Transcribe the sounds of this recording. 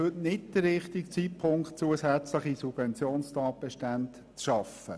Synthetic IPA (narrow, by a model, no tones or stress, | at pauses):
ɵtnɪtd̥əɾɾɪχtikt͡sitpʰʊŋkt̚t͡suəsɛt͡sləχisub̥vɛnt͡sjoːnstɑːt̚b̥ɛʃtænt | t͡sʃɑfə